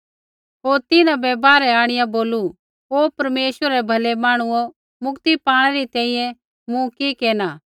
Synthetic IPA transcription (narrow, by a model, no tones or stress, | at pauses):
ɦoːɾt̪ɪnãbɛːbaːɾɛaːɽ̃ɪjãboːlu | ɦoːpɐɾmeːʃəɾɛbʱɐlɛmaːɽ̃ʊɔ | mʊkt̪ipaːɽ̃ɛɾit̪ɛ̃ːĩjɛ̃ | mũkikeːnaː